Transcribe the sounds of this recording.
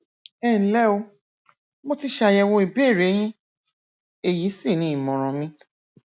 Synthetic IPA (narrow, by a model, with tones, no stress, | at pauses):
ɛ˦˨n̩˦lɛ˦o˧ | mo˦ti˦ʃa˧˨jɛ˧˨w̃ɔ̃˧i˨be˦˨ɾe˨˦j̃ĩ˦ | e˦˨ji˨˦si˦˨nĩ˨˦i˨mɔ̃˨ɾ̃ɔ̃˨mĩ˧